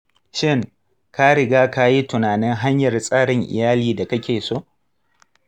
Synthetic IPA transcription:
ʃɪ˦˨ŋ | ka˦ɽɪ˨ɡaː˦ka˦ji˦tʊ˨naː˨nɪ˦ŋɦa˦ɲjɐ˨rsʼaː˦ɽɪ˨ŋʔɪ̰˨jaː˦liː˦da˨kɐ˦kʲeː˨so˦˨ʔ

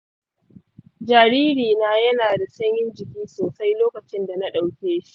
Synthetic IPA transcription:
d͡ʒaː˨ɾiː˦ɾiː˨naː˦jɐ˦naː˨da˨sɐ˦ɲjɪ˦nd͡ʒɪ˨kʲiː˦soː˨sa˦jloː˦kɐ˨t͡ʃɪ˦nda˨na˦ɗa˨wkʲeː˦ʃi̥˦ʔ

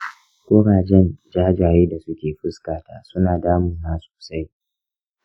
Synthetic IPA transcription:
kʷoː˦ɽaː˨d͡ʒɛ˦nd͡ʒaː˦d͡ʒaː˨ɾeː˦da˨sʊ˦kʲeː˨ɸɪ˦skaː˨taː˦sʊ˦naː˨daː˦mʊ˨naː˦so̥ː˨sa˦j

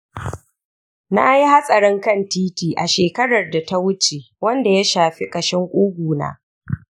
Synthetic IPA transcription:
na̰˦ji˦ha˦sʼɐ˨ɽɪ˦ŋkɐ˦˨ntiː˦tiː˨ʔa˨ʃeː˨kɐ˦ɽɐ˨rda˨ta˦wʊ˦t͡ʃe˨ | wɐ˦nda˨ja˦ʃaː˨ɸi˦kʼɐ˨ʃɪ˦ŋkʷʼʊː˦ɡʷuː˨na̰ː˦

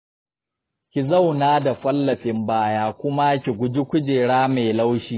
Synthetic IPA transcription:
kʲɪ˨za˦˨wnaː˦da˨ɸɐ˦lːɐ˨ɸɪ˨mbaː˦jaː˦kʷʊ˦ma˦kʲi˨ɡʷʊ˨d͡ʒi˦kʷʊ˦d͡ʒeː˨ɽaː˦me˨la˦wʃiː˦

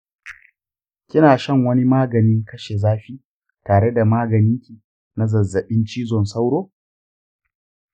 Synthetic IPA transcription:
kʲɪ˦naː˨ʃɐ˦˨ŋwɐ˦ni˦maː˦ɡɐ˨nɪ˦ŋkɐ˦ʃe˨zaː˦ɸiː˦ | taː˨ɽe˦da˨maː˦ɡɐ˨nɪ˦ŋkʲi˨ | na˦zɐ˨zːɐ˨ɓɪ˦nt͡ʃiː˦zɔ˨nsa˦wɽoː˦

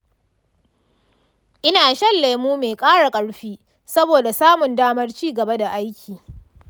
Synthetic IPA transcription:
ʔɪ˦naː˨ʃɐ˦lːe˨muː˦meː˨kʼaː˦ɽa˨kʼɐ˦ɽɸiː˦ | sɐ˦boː˨da˨saː˦mʊ˨ndaː˦mɐ˦rt͡ʃiː˦ɡɐ˨ba˦da˨ʔa˦jkʲʰiː˨

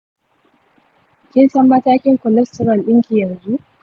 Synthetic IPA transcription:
kʲɪ˦nsɐ˦mːɐ˦taː˦kʲɪ˦ŋkʷɔ˨lɛ˦stɔ˦ɾɐ˨nɗɪ˦ŋkʲi˨jɐ˨nzu˦ʔ

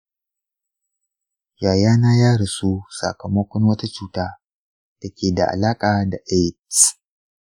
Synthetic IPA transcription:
jaː˨jaː˦na˦jaː˦ɽi˨su˦sa̰˨kɐ˨mɐ˦kʷɔ˦nwɐ˦ta˦t͡ʃuː˦taː˦ | d̥a˨kʲeː˨da̰˨ʔa̰˨laː˦kʼa˨da˨ʔe˦˨t

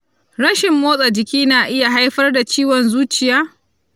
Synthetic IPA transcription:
ɾɐ˦ʃɪ˨mːoː˦sʼa˨d͡ʒɪ˨kʲiː˦naː˨ʔɪ˦ja˨ɦa˦jɸɐ˦rda˨t͡ʃiː˦wɔ˨nzuː˦t͡ʃɪ˨jaː˦

